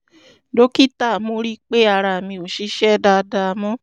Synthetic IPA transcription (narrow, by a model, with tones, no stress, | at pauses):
do˦ki˦ta˦˨mo˧˦ɾi˦k͡pe˦a˦˧˨ɾa˧˨mĩ˧o˨ʃi˨˧˦ʃɛ˦da˧da˧mɔ̃˦